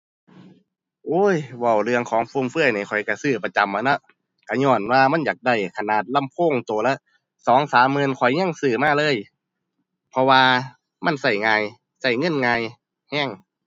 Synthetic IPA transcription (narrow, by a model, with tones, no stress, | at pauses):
ʔoː˧˥˩jwa˧˩wlɯ˧əŋkʰɔː˨˦ŋpʰuː˧˨mfɯ˧˥˩əjnaː˧˩jkʰɔ˨˩jka˧˩sɯː˧˩pa˧t͡ɕa˧˦mʔa˧˩nɔ˧˦ | ka˧˩ɲɔː˧˩nwaː˧ma˧˥˨njaː˨˩k̚da˧˩jkʰa˧naː˨˩t̪̚la˧˥˨mpʰoː˧˥˨ŋt̪oː˨˩lɛ˧˥ʔ | sɔː˨˦ŋsaː˨˦mːɤ˧˨nkʰɔ˨˩jɲa˧˥˨ŋsɯː˧˩maː˧˥˨lɤː˧˥˨j | pʰɔ˧waː˧ | ma˧˥˨nsa˧˩jŋaː˧j | sa˧˨˩jŋɤ˧˥˨nŋaː˧j | hɛː˧˥˩ŋ